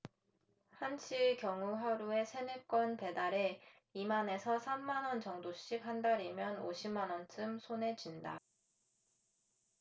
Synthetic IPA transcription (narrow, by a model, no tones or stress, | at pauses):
hanɕʰikjʌŋuɦaɾue̞sʰe̞nɯk͈wʌnpe̞daɾe̞ | imane̞sʰʌsʰamːanʌnt͡ɕʌŋdoɕ͈ikɦandaɾimjʌno̰ɕʰimanʌnt͡ɕ͈ɯmsʰone̞d͡ʑinda̰